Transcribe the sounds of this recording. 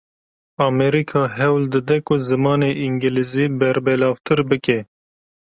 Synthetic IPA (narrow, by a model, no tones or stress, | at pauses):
ɑːmɛɾikʰɑːɦɛwld̪ɨd̪ɛkʊzɨmɑːneːʔiŋɡɨliziːbɛɾbɛlɑːvt̪ʰɨɾbɨkɛ